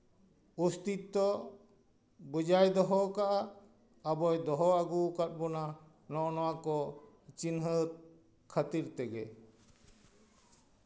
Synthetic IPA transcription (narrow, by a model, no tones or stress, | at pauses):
ust̪it̪ːɔ | bəd͡ʒajd̪ɔɦɔkaʔa | abɔjd̪ɔɦɔaɡukat̪̚bɔna | nɔʔnɔwakɔ | t͡ʃinɦət̪̚ | kʰət̪iɾt̪ɛɡɛ